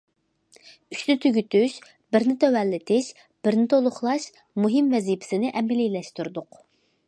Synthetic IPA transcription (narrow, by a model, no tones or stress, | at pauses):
yʃnɪt̪ʰyɡʲyt̪yʃ | b̥ɪɾnɪt̪ʰɛwɛlːɪt̪ʰɪʃ | b̥ɪɾnɪt̪ʰolˠʊχlˠɑʃ | muɦɪmvɛzipʰɪ̥sɪnɪʔɛmɪlilɛʃt̪uɾd̪ʊq